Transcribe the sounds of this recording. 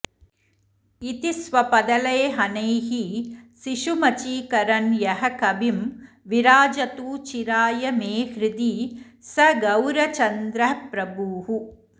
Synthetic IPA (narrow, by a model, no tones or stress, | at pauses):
it̪isʋɐpɐd̪ɐlɐːɦɐnɐjɦisiʃumɐt͡ʃikɐɾɐnjɐɦɐkɐbim | ʋiɾaːd͡ʒɐt̪uːt͡ʃiɾaːjɐmeːhɾid̪isɐɡɐwɾɐt͡ʃɐnd̪ɾɐpɾɐbuːɦu